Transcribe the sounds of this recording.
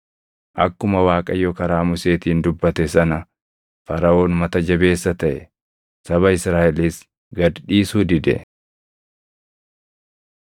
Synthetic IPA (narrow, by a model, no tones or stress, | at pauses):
ʔɐkːʊmɐwaːkʼɐjokɐɾaːmʊse̞ːt̪iːnd̪ʊbːɐt̪ɛsɐnɐ | fɐɾɐʔo̞ːnmɐt̪ɐd͡ʒɐbe̞ːsːɐt̪ɐʔɛ | sɐβɐɪsɾaːʔɛlis | ɡɐd̪ᶑiːsuːd̪ɪd̪ɛ̰